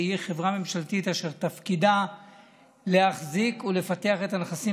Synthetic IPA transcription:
hiχe̞vʁame̞mʃalt̪it̪aʃe̞ʁt̪afkida | leaχzikule̞fat̪e̞aχet̪anχasi

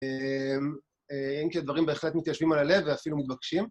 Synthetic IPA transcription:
em | eenked̪vaʁimbe̞eχle̞t̪mit̪jaʃvimalale̞vːeafilumit̪̚bakʃim

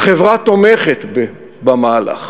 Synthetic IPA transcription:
χevʁat̪omeχet̪b | bamaːla̰χ

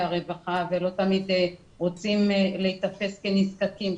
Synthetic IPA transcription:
aʁevaχavelo̞t̪amid̪ | ʁot͡simleit̪afe̞skeniskakim

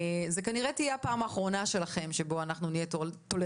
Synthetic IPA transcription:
ze̞kaniʁet̪ijeapaːmaːχʁo̞naʃe̞laχe̞mʃe̞bo̞anaχnunijetot̪ole

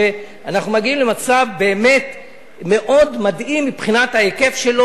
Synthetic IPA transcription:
e | anaχnumaɡiimle̞mat͡savbe̞ːme̞t̪ | me̞ʔo̞dmadʔimːipχinat̪haeke̞fʃe̞lo

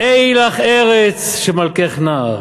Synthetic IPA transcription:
ʔejlaχeʁet͡sʃemalkeχnaːʁ

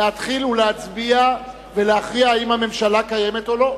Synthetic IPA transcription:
eat̪χiluleat͡sbia | ve̞leaχʁiaimhame̞mʃalakaje̞met̪olo̞

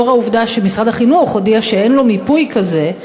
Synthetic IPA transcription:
oʁauvd̪aʃemisʁad̪aχinuχodiaʃee̞nlo̞mipujkaze̞

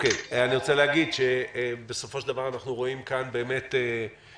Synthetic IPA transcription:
okejaniʁo̞t͡seleaɡid̪ʃebesofo̞ʃeld̪avaʁanaχnuʁo̞imkanbe̞ːme̞te

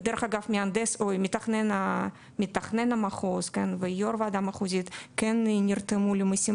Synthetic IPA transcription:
d̪ɛɾəχaɡafmʲiand̪ɛsojmʲɪt̪aχnɛna | mʲɪt̪ːaχnɛnamaχoskɛnvɨjoɾvaːd̪amaχuzʲit̪kɛnnʲirt̪ɨmulʲimɨsʲi

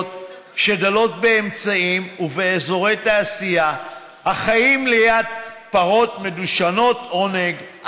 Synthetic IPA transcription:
t | ʃe̞dalo̞t̪̚be̞emt͡saimuveezo̞ʁe̞jt̪aːsija | haχajimlejad̪paʁo̞tme̞duʃano̞t̪o̞neɡ

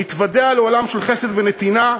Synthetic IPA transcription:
it̪vad̪ealeolamʃelχesed̪venet̪ina

